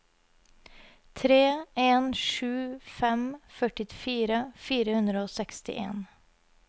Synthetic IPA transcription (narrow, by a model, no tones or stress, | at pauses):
t̪ʰɾeːeːnʃʉːfɛmfœʈɪfiːɾəfiːɾəhʉnd̪ɾəoːsɛkst̪ɪ̰ʔḛːn